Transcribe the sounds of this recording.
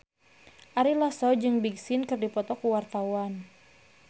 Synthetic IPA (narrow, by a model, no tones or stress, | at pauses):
ʔaɾilasɔd͡ʒɨŋbiɡsɪnkɨrdipɔt̪ɔkuwart̪awan